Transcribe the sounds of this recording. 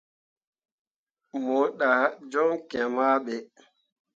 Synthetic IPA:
mo˨ɗa˨d͡ʒɔ˦ŋkɛ˨ma˦ɓɛ˨

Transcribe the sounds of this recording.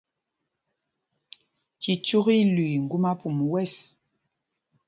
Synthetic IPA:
ki˨t͡ʃu˦ɣi˦lwŋ̩˨ɡu˦ma˦pu˨m˨wɛ˦˨s

